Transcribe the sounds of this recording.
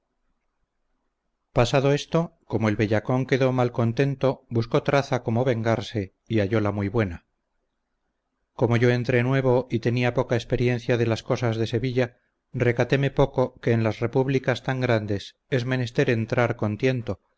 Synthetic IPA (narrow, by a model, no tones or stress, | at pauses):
pasaðo̞e̞st̪o̞ko̞moe̞lβe̞ʎako̞ŋke̞ðo̞malko̞nt̪e̞nt̪o̞busko̞t̪ɾaθako̞mo̞βe̞ŋɡaɾse̞ | iaʝo̞lamujβwe̞na | ko̞mo̞ʝo̞e̞nt̪ɾenwe̞β̞o̞ʔit̪e̞niapo̞kaespe̞ɾje̞nθjaðe̞lasko̞sazðe̞se̞βiʎa | re̞kat̪e̞me̞po̞ko̞ke̞ːnlasre̞puβlikast̪aŋɡɾand̪e̞s | e̞zme̞ne̞st̪e̞ɾe̞nt̪ɾaɾko̞nt̪je̞nt̪o̞